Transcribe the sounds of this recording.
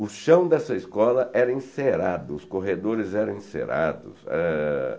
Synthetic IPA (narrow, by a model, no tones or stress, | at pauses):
ʊʃɐ̃w̃d̪ɛsɐiskɔlɐʔɛɾɐĩseɾad̪ʊʊskoɦed̪oɾɪzɛɾɐ̃w̃ĩsḛɾa̰d̪ʊ̰sɛ̰